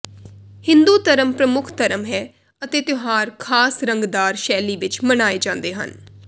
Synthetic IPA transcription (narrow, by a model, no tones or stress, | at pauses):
hɪ̃nd̪uːt̪əɾəmpɾəmʊkʰt̪əɾəmɦɛː | ət̪eːt̪ʊɦaːɾkʰaːsɾəŋɡd̪aːɾʃɛːliːʋɪt͡ʃmənaːeːd͡ʒãːnd̪eːɦə̰n